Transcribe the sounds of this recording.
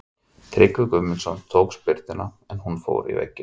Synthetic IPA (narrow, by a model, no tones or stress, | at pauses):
t̪ʰɾɪkvʏkʏmːɪnsɔnt̪ʰowkspɪɾt̪ɪna | ɛnɦunfo̰ːwɾḭvɛ̰cːɪ